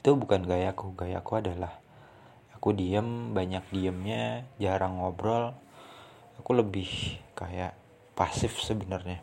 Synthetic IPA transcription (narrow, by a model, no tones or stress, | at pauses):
it̪ubukanɡajakuɡaja̰kuadalah | akudiəmbaɲak̚diəmɲad͡ʒaɾaŋobɾɔl | akuləbɪhkajaʔ | pasɪfsəbənərɲa